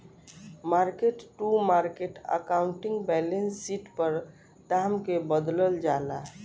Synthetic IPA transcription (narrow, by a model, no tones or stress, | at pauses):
maɾkeʈʈumaɾkeʈə̰kauɳʈiŋɡbɛlensːiʈpəɾ | d̪amkebəd̪ləld͡ʒala